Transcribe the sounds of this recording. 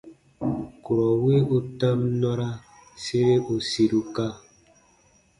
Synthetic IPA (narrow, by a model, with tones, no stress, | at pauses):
ku˨ɾɔ˨wi˦u˦ta˦mnɔ˦ɾa˦ | se˦ɾe˦ʔo˨si˨ɾu˨ka˦